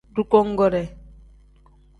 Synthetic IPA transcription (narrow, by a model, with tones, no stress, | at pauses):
ɾu˦kɔ˦ŋɡɔ˦ɾɛ˨